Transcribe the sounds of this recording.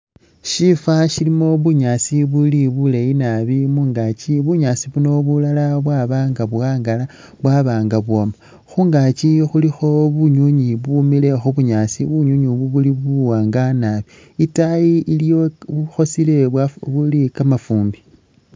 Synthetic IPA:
ʃifaʃilimo̞βuɲasiβuliβuleinaβimuːŋɡat͡ʃiβuɲaːsiβuno̞βulalaβwaβaːŋɡaβaːŋɡala | βwaβaːŋɡaβwoma | xuːŋɡat͡ʃixulixo̞βuɲuɲiβumile̞xoβuɲaːsḭβuɲuɲiβuβuliβuwaːŋɡanaβi | itajiilijoβuxo̞sile̞waβulikamafuːmbi

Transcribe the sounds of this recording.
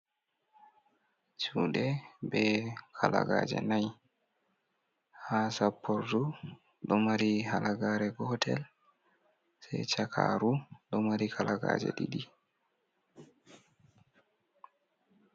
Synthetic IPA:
t͡ʃuːɗɛbɛkʰalaɡad͡ʒɛ̰naj | hasapːɔɾdu | ɗɔmaɾihalaɡaɾɛɡɔtʰɛl | sɛjt͡ʃakʰaɾuɗɔmaɾikʰalaɡa̰d͡ʒɛ̰ɗiɗi

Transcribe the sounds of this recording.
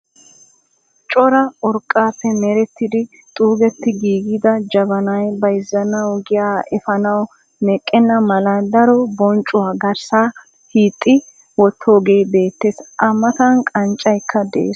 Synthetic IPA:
t͡ʃʼɔɾɐɔɾkʼːaːpːɛmɛɾɛt̪ːɪd̪ɪ | t̪ʼuːɡɛt̪ːɪɡiːɡɪd̪ɐd͡ʒɐbɐnɐjbɐjɪzːɐnɐwɡɪjaːʔɛfɐnɐw | nɛkʼːɛnːɐmɐlɐd̪ɐɾɔbɔnt͡ʃʼʊwaːɡɐɾsaː | hiːt̪ʼːɪ | wɔt̪ʰːo̞ːɡe̞ːbe̞ːt̪ːeːsʔɐmːɐt̪ɐnkʼɐnt͡ʃʼɐjkʰːɐd̪ḛːs

